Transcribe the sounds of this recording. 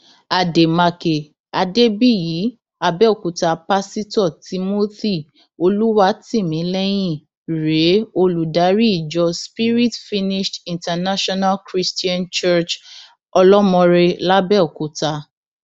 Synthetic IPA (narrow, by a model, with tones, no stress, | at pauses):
a˨de˨ma˧ke˨ | a˧de˦bi˦˨jiː˨˦ | a˧bɛ˦o˦˨ku˨ta˧pa˦si˦tɔ˦˨ti˧mo˦ti˦˨ | o˧lu˦wa˦ti˦˨mĩ˨˦lɛ˦j̃ĩ˦˨ | ɾe˨˦o˧lu˨da˨˦ɾi˦i˦˨d͡ʒɔ˧spi˦ɾi˦tfi˦ni˦ʃtĩ˨nta˧na˦ʃɔ˦na˦lkɾi˦sti˦ã˦nt͡ʃɛ˦t͡ʃ | ɔ˧lɔ˦mɔ̃˧ɾe˧la˦bɛ˦o˨ku˨ta˧